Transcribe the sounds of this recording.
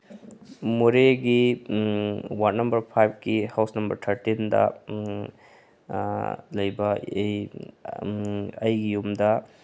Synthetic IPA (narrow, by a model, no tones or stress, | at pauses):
muɾeɡi | wat̚nɐmbɐɾpʰajp̚ʰɡihawsnɐmbɐɾtʰɐɾtindɐ̰ | lɐjbɐ | ɐjɡijumdɐ